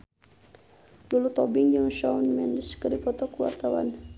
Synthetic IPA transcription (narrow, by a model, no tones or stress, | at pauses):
lulut̪ɔbiŋd͡ʒuŋʃanmɛndəskəɾipɔt̪ɔkuwa̰rt̪awa̰n